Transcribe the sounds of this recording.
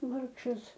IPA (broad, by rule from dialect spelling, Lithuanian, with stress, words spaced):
ˈʋɐrkʃɐs